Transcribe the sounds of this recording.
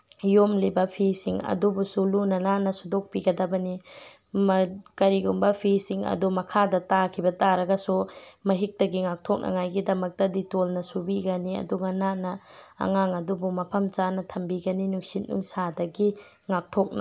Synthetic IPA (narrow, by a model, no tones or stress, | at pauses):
jomlibɐpʰisiŋɐ̰dubusulunɐnanɐsudok̚piɡɐdɐbɐni | mkɐɾiɡumbɐpʰisiŋɐ̰dumɐkʰadɐtakʰibɐtaɾɐɡɐsumɐɦik̚tɐɡiŋak̚tʰok̚nʔɐ̰ŋajɡidɐmɐk̚tɐditolnɐsubiɡɐniɐ̰duɡɐnanɐ̰ːŋaŋɐdubumɐpʰɐmt͡ʃanɐtʰɐmbiɡɐninuksit̚nṵŋsadɐɡi | ŋak̚tʰok̚nɐ̰